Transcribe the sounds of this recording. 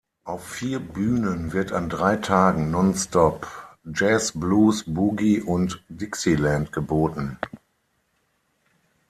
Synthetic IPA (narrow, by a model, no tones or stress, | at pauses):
ʔaʊfːiːɐbyːnənvɪɐtandʁaɪtʰaːɡŋ̩nɔnstʰɔpd͡ʒɛsbluːsbuɡiʔʊntd̥ɪksilɛntɡ̥əboːtn̩